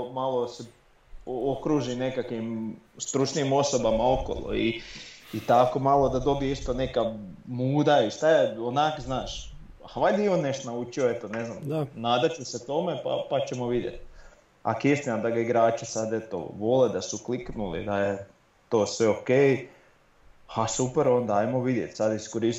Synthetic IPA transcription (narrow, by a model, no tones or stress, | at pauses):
malˠose | ookɾuʒine̞kakʋimst̪ɾut͡ʃniːmo̞sobamao̞ko̰lˠo̰iː | t̪akomalˠo̞d̪ad̪o̞bijeist̪onekamuːd̪aiʃt̪ajeonaːkznaːʃ | haʋajd̪ionneʃt̪onaut͡ʃioet̪oneznamnaːd̪at͡ʃuset̪o̞mepa̰pat͡ɕemoʋid̪jḛt̪̚ | a̰kesmiamd̪aɡaiɡɾaːt͡ʃesad̪e̞t̪o̰ʋo̞led̪asukliknulḭd̪aje | t̪oːsʋeokej | asupeɾo̞nd̪aajmo̞ʋid̪jet̪ʲsad̪iskoɾis